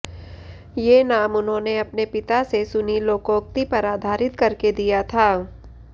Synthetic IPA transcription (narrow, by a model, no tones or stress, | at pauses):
jeːnaːmʊnɦõːneɐpnepɪt̪asesʊniloːkoːk̚t̪ipɐɾaːd̪ʱaːɾɪt̪kɐɾked̪ijat̪ʰaː